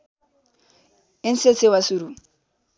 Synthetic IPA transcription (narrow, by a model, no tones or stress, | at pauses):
enset͡sʰewasuɾu